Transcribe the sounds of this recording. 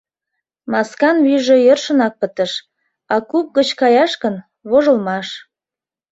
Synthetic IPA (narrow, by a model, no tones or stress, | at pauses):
mɑskɑnβyʒĕjərʃə̆nɑk̚pət̪ə̆ʃ | ɑkup̚ɡət͡ɕkɑjɑʃkən | βoʒə̆lmɑʃ